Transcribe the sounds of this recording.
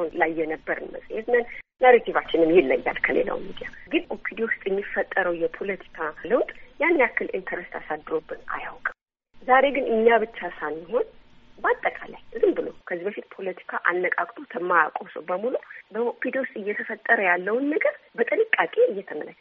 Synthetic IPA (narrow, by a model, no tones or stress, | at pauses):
nlajjːɛnəbːəɾɨ̰nmə̰sʼjet̪nənnəɾit̪ʰivat͡ʃːɪnɨmjɛlːə̰ɲːa̰lkʰəlḛla̰wmid̪ijaɡɨnʔopʰid̪wost̪ʼjɛmːifːət̪ʼːəɾəwjɛpʰo̞lət̪ʰi̥kʰaləwt̪ʼjanːiakːɨlʔḭnt̪ʰəɾest̪ʰasad̪ːɨɾo̞bːɨna̰jawkʼəm | zaɾe̞ɡɨnɨɲːaβɨt͡ʃːasanːiho̞nbəat̪ʼːəkʼalajʔɨzɨmbɨlo̞kʰəzibəfit̪pʰo̞lət̪ʰi̥kʰaʔanːəkʼakʼt̪ʼot̪ʰəmːajakʼosəwbəmulubəopʰːid̪ost̪ʼɨjːɛt̪ʰəfət̪ʼːəɾəjalːəwnːəɡəvbət̪ʼɨnɨkʼːakʼe̞ɨjːɛt̪ʰəmə̰lə̰t͡ʃː